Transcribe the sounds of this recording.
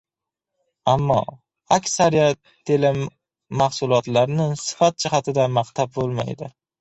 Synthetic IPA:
amːɒ̰ | akʲsaɾijat̪ʰːelɪmː | aχsʊlˠɒt̪laɾnɪsɪ̥fat̪̚d͡ʒɪχat̪ʰɪd̪amaqt̪ʰab̚bolˠma̰jd̪ɪ

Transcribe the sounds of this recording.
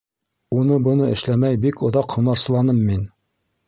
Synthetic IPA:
unɤbŏnɤɘ̆ʃlæmæjbikʰŏðɑqhŭnɑɾsɤ̆lˠɑnɤmːin

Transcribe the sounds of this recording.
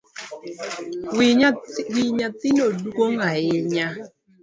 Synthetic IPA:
wiɲat̪ɪnodukoŋaɪɲa

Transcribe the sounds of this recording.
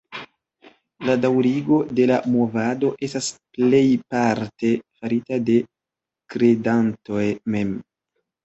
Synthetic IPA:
ladawɾiɡo̞de̞lamo̞vado̞ʔe̞stasple̞jpaɾte̞faɾitade̞ | kɾe̞danto̞jme̞m

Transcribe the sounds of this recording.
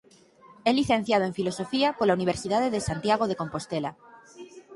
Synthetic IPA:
ɛliθen̟θjað̞oeɱfilosofiakolauniβ̞eɾsiðaðeðesant̪jaɣ̞oðekompost̪ela

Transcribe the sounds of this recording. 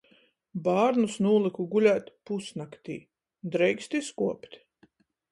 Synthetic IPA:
baːɾnusnuːlˠikuɡulʲæːt̪ʲpusnakt̪ḭː | d̪ɾɛjkst̪iskuɔpt̪ʲ

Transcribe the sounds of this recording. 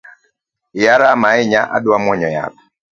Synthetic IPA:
jaɾamaɪɲaʔa̰dwamwɔɲɔja̰p

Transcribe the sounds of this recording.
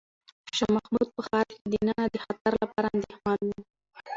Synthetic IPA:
ʃɑmaxmud̪̚pəxɑɾked̪inɑnad̪əxat̪aɾlapɑɾaand̪exmɑnwi

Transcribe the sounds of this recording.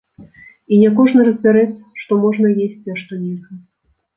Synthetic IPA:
inʲɛkɔʐnɐɾɐzʲbʲaɾɛt͡sʲʂt̪ɔmɔʐnɐjesʲt͡sʲiɐʂt̪ɔnʲexɐ

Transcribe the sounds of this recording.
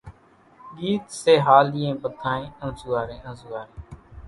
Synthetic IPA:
ɠiːt̪seːɦaːliːẽːpət̪ʰãːẽːə̃ːsʊːaːɾẽːʔə̃ːsuaːɾẽː

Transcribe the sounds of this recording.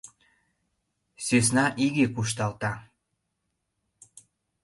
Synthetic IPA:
sys̬nɑʔiɣekuʃ̬t̪ɑlt̪ɑ

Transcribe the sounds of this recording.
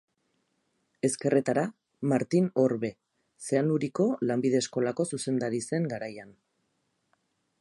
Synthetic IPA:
e̞ske̞ret̪aɾa | maɾt̪ino̞ɾβe̞ | se̞anuɾiko̞lambiðe̞ːsko̞lako̞suse̞nd̪aɾise̞ŋɡaɾajan

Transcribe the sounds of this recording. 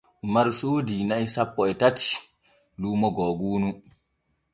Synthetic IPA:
maɾusuːdinaisapːɔɛtati̥ | luːmɔɡɔːɡuːnu

